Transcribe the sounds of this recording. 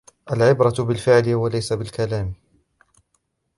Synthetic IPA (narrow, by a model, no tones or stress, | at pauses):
ʔalʕɪbɾˤɑt̪bɪlfɪʕlɪwalajsabɪlkalaːm